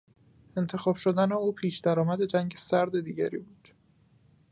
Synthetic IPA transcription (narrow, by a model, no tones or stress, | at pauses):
e̞nt̪ʰe̞xɒːb̥ʃod̪æne̞uːpʰiːʃd̪æɾɒːmæd̪e̞d͡ʒæŋɟesæɾd̪e̞d̪iːɟæɾiːbuːd̪̥